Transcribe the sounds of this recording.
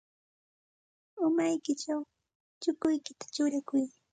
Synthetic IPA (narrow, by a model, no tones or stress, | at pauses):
ʊmajkɪt͡ʃaw | t͡ʃʊkʊjkɪt̪ḁt͡ʃʊɾakʊj